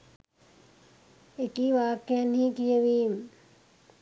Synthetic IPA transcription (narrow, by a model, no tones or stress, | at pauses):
ekiːʋaːkːjanɦĩːkijəʋiːm